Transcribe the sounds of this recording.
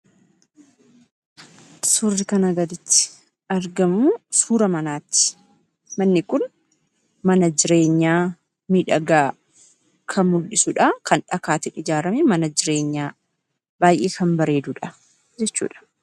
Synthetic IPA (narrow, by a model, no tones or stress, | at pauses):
sʊrːɪkɐnɐɡɐd̪ɪt̪ːɪ̥ | ɐɾɡɐmʊsuːɾɐmɐnaːt̪ːɪ̥ | mɐnːɪkʊn | mɐnɐd͡ʒɪɾe̞ːɲːaː | miːᶑɐɡaː | kʰɐmʊlːɪsʊᶑɐkʰɐnᶑɐkaːt̪ɪʔɪd͡ʒaːɾɐmɛmɐnɐd͡ʒɪɾe̞ːɲːaː | b̥aːjʔḛːkɐmbɐɾe̞ːd̪uᶑɐ | d͡ʒɛt͡ʃːṵːᶑɐ̥